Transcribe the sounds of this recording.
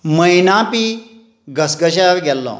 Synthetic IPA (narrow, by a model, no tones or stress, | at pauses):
məjnãpi | ɡəsɡəɕaɾɡʱɛlːɔ̰